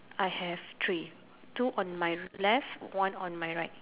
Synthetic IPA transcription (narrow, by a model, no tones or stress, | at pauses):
ʔajhɛvt̪ʰɹi | tuʔɔ̃nmajlɛftwãnɔ̃nmajɹaɪt̚